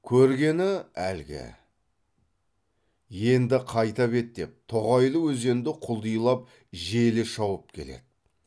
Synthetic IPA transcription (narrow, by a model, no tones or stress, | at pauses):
kʲʰɵɾɡʲe̞nɪælɡʲɪ̰ | je̞nd̪ɪqʰɑjt̪ɑpe̞t̪̚d̪e̞p̚t̪ʰoʁɑjlˠəwɵze̞nd̪ɪqʰʊlˠd̪ijlˠɑp̚ | ʒe̞lɪʃɑwəp̚kʲʰe̞lḛd̪̥ɪ